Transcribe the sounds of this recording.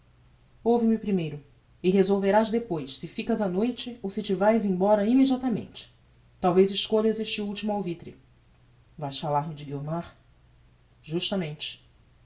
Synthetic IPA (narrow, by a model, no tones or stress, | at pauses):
owvimɪpɾimejɾʊ | ɪɦezowveɾazd̪epojssɪfikɐzanojt͡ʃɪowsɪt͡ʃɪvajzẽj̃bɔɾɐimed͡ʒiat̪ɐmḛ̃nt͡ʃɪ̥ | t̪awvejzɪʃkoʎɐzeʃt͡ʃɪuwt͡ʃimʊawvit̪ɾɪ̰ | vajsfalaɾmɪd͡ʒɪɡiomaɾ | ʒuʃt̪ɐmẽnt͡ʃɪ̥